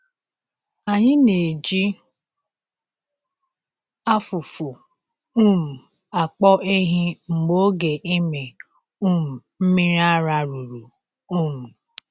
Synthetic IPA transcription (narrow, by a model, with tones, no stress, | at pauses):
a˨ɲɪ˦ne˨d͡ʒi˦ | a˦fu˨fu˨ | u˦m̩˨ | a˨k͡pɔ˦ʔe˦ɦɪ˦ŋ͡m̩˨ɡ͡bo˦ɡe˨ʔe˦me˨ | u˦m̩˨ | m̩˦mi˦ɾi˦a˦ɾa˦ɾu˨ɾu˨ | u˦˨mu˨